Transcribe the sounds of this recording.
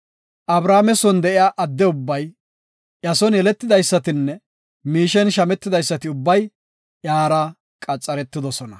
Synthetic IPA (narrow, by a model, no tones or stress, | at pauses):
ʔɐbɾaːmɛsɔnd̪ɛʔɪjaːʔɐd̪ːɛʊbːɐj | ʔjɐsɔnjɛlɛt̪ːɪd̪ɐjsːɐt̪ɪnːɛ | miːʃɛnʃɐmɛt̪ːɪd̪ɐjsːɐt̪ɪʊbːɐj | ʔjaːɾɐ | kʼɐt͡sʼːɐɾɛt̪ːɪd̪ɔsɔnɐ